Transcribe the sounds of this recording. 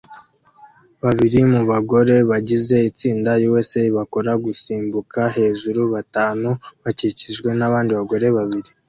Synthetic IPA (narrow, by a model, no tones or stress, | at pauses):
βaβiɾimuβaɡo̞ɾe̞βaɟize̞it͡siːndajiwe̞se̞βako̞ɾaɡusiːmbukʰaɦe̞ːʒuɾuβataːnuβaciciʒɡwe̞naβaːndiβaɡo̞ɾe̞βaβiɾi